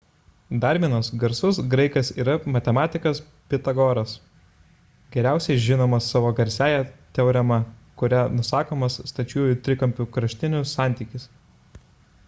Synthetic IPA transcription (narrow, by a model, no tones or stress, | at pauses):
d̪ɑɾʲmʲinoːsɡɐɾsʊsɡɾɐɪkɐsiːɾɐmɐt̪ʲɛmɑːt̪ʲɪkɐs | pʲɪt̪ɐɡɔːɾɐs | ɡʲɛɾʲæˑʊsʲɛɪʒʲɪnoːmɐsːɑːʋoːɡɐɾʲsʲæːjɛt̪ʲɛʊɾʲɛmɐkʊɾʲænʊsɑːkoːmɐsːt̪ɐt͡ʃʲuɔjʊt̪ʲɾʲɪkɐmʲpʲukɾɐʃʲt̪ʲɪnʲʊsːɑˑnʲt̪ʲiːkʲɪs